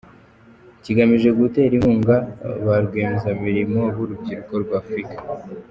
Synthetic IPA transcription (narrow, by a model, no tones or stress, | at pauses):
ciɡamiʒe̞ɡute̞ɾihuːŋɡaβaɾɡweːmezamiɾimo̞βuɾubɟiɾuko̞ɾɡwaːfɾikḁ